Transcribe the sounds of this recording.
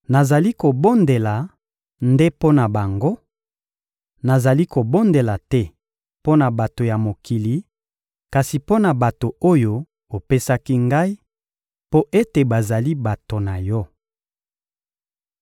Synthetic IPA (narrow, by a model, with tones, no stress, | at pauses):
na˨za˨li˦ko˨bo˦nde˨la˨ | nde˦po˦na˨ba˨ŋɡo˦ | na˨za˨li˦ko˨bo˦nde˨la˨tɛ˦ | po˦na˨ba˨to˨ja˨mo˨kʰi˨li˨ | ka˨si˨po˦na˨ba˨to˨o˦jo˦ | o˨pe˦sa˦ki˦ŋɡa˦i˦ | po˦ʔe˦te˨ba˨za˨li˦ba˨to˨na˨jɔ˦